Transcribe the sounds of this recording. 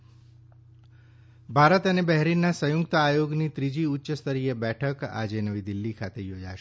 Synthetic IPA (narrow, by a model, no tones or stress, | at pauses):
bʱaɾət̪ənebɛɦɾinːasəjʊkt̪aajoɡnit̪ɾid͡ʒiutːʃəst̪ʰəɾiebɛʈʰəka̰d͡ʒenəʋid̪ilːikʰat̪ejod͡ʒa̰ʃe